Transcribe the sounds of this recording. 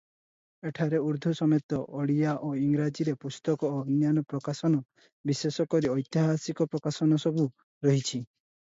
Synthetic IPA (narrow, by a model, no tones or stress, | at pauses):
eʈʰaɾeuɾd̪ʱɔsɔmet̪ɔʔɔɽijaʔoiŋɡɾad͡ʒiɾepust̪ɔkɔːnjanɔpɾɔkasɔnɔ | bisesɔkɔɾiɔjt̪iɦasikɔpɾɔkasɔnɔsɔbu | ɾɔɦit͡ʃʰi